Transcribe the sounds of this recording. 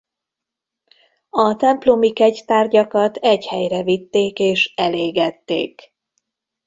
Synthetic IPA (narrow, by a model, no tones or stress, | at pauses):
ɒt̪ɛmplomikɛɟt̪aːrɟɒkɒt̪ʰɛchɛjrɛvit̪ːeːkeːʃɛleːɡɛt̪ːḛːk